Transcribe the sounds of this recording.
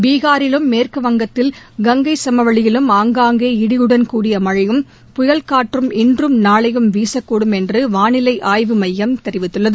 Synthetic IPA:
biːɣaːɾɪlɯmːeːrkɯʋɐŋɡɐt̪ːɪlɡɐŋɡɐɪsɐmɐʋɐɭɪjɪlɯmaːŋɡaːŋɡeːɪɽɪjɯɽɐnkuːɽɪjɐmɐɻɐjɯm | pʊjɐlkaːʈrɯmɪndrɯmnaːɭɐjɯmʋiːsɐkːuːɽɯmɛndrɯʋaːnɪlɐɪʔaːjʋɯmɐjːɐmt̪ɛɾɪʋɪt̪ːɯɭːɐðɯ

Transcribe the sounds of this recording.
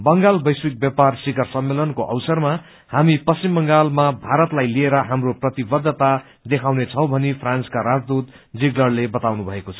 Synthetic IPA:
bʌŋɡalbʌjswik̚bjaparsiɡʌrsʌmːelʌnkoʔʌ̰wsʌrma | hamipʌst͡simbʌŋɡalmabʱaɾʌt̪lajlieɾʌɦamroprʌt̪ibʌd̪ʱːʌt̪a | d̪ekʰawnet͡sʰʌw̃bʱʌnipʰranskaɾad͡zd̪ut̪ | d͡ziɡlʌrlebʌt̪awnubʱʌekot͡sʰʌ

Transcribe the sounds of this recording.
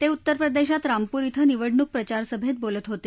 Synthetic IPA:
t̪eut̪ːəɾpɾəd̪eɕat̪ɾampuːɾit̪ʰəniʋəɽɳuk̚pɾət͡ɕaɾsəbʱẽt̪̚bolət̪ɦot̪e

